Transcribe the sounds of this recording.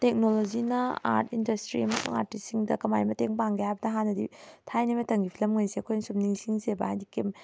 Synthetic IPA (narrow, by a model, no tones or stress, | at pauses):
tek̚nolozinɐa̰ɾtʰindɐstɾiɐmɐsṵŋa̰ɾtissiŋdɐ̰kɐmajmɐteŋpaŋɡehajbɐdɐɦanːɐdḭtʰajnimɐtɐŋɡipʰilɐmŋajsiɐkʰojnsumniŋsiŋzebɐa̰jdikem